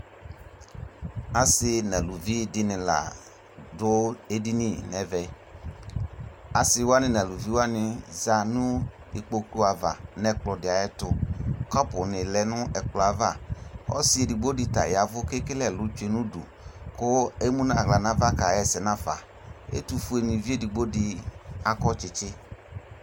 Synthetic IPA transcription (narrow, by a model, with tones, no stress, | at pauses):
a˨sɪ˧nɛ˨lu˨vi˦dɪ˦nɪ̃˨la̰˨ | dʊ˦e˦di˦ni˨nɛ˨˦vɛ˨ | a˨sɪ˧wa˦nɪ˨nɛ˨lu˨vi˦wa˦nɪ˨za˧nũ˦ | ɪ˨k͡po˧ku˦a˨va˨nɛ˨k͡plɔ˨dɪ˨a˨jɛ˦tʊ˧kɔ˦pʊ˨nɪ˨lɛ˨nʊ˦ɛ˨k͡plɔ˨a˨va˦˨ɔ̰˦sɪ˦e˨di˨ɡ͡bo˦dɪ˧ta̰˨ja˨vʊ˦ke˦kɪ˦lɛ˦˨lʊ˨˦t͡ʃe˨nũ˦dṵ˨ | kʊ˦e˦mu˦n˦a˨ɣla˨na˨˦va˦ka˨jɛ˨sɛ˨na˦fa̰˨ | ḛ˦tu˧fu˦e˧ni˨vi˦e˦˨di˨ɡ͡bo˦dɪ˧a˨kɔ˦t͡ʃɪ˨t͡ʃɪ˦